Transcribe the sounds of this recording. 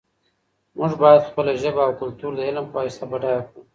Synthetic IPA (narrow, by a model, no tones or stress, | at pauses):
mʊʐbɑjad̪xpəlaʒəbaawkʊlt̪uɾd̪əɪlmpaɪst̪abaɖɑjaku